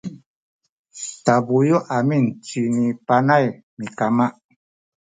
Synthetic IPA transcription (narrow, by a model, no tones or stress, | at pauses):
tabujɔʔamin̩t͡ʃinipanaj | mikamaʔ